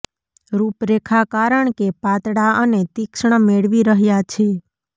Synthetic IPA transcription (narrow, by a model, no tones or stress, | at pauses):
ɾupɾekʰakaɾəɳkepat̪ɽaʔənet̪ikʃɳ̃əmeɭʋiɾəɦjat͡ʃʰe